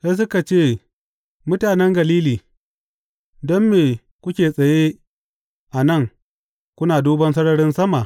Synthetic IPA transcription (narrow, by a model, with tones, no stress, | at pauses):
ja˦s̬ʊ˦ka˨t͡ʃeː˦˨ | mʊ˦taː˨nɛ˦ŋɡɐ˨liː˦liː˨ | dɔ˦mːeː˨ | kʷʊ˦kʲeː˨sʼɐ˨je˦ | ʔa˨nɐ˦˨ŋ | kʷʊ˦naː˨duː˦bɐ˦nsɐ˦ɽɐ˦ɽɪ˦nsɐ˦ma˨ʔ